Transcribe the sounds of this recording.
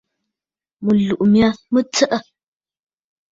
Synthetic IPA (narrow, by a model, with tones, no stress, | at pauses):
mə˨lu˨ʔmja˦mə˦t͡sə˦ʔə˦